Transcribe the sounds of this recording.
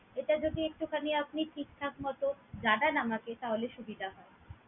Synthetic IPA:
eʈad͡ʑod̪iek̚ʈukʰaniap̚niʈʰik̚t̪ʰak̚mɔt̪od͡ʑaɖanamaket̪aɦoleʃubid̪ʱaɦɔe

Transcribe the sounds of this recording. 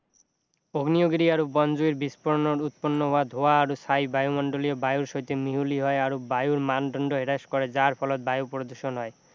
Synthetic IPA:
oɡnioɡeɾiaɾobɔnd͡ʑoiɾbispɔɾɔnoɾut̪̚ponːoɦoad̪ʱoaːɾosajbajumɔɳɖoliobajuɾʃɔjt̪emiɦuliɦɔeaɾobajuɾmanɖʱɔɳɖoɦeɾaʃkɔɾed͡ʑaɾpʰɔlɔt̪̚bajupɾod̪uɾʃonɦɔe

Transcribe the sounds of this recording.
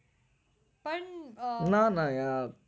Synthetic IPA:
pɐɳnanãja

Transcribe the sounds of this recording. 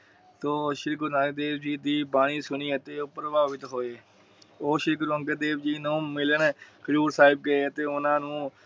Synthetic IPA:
t̪oːʃɪɾkəɾnãːed̪eːbd͡ʒiːd̪iːbaːɽ̃iːsʊniːət̪eːʊpɾəbaːbɪt̪ɦoːeː | oːʃɪɾkəɾə̃ŋkəd̪eːbd͡ʒiːnũːmɪlənkəɾuːɾsaːɪb̚kəeːət̪eːʊnãːnũː

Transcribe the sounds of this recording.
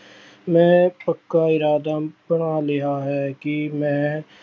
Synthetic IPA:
mɛ̃ːpɐkːaɪɾaːd̪abɐɽ̃alɪɦaɦɛːkimɛ̃ː

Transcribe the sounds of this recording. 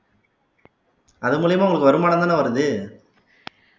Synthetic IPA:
ɐðɯmuːɭɪjɐmaːʊŋɡɐɭɯkːɯʋɐɾɯmaːnɐnd̪aːnaʋɐɾɯðɯ

